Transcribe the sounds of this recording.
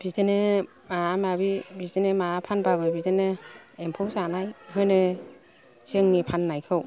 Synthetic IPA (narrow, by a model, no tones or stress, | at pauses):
b̥idɯnɯ | mamabibidɯnɯmapʰanbabɯbidɯnɯempʰɯwsanajɦɯnɯ | sɯŋnipʰanːajkʰɯw